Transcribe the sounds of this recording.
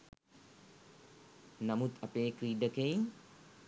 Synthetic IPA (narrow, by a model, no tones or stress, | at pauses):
nɐmut̪ɐpeːkɾiɖəkej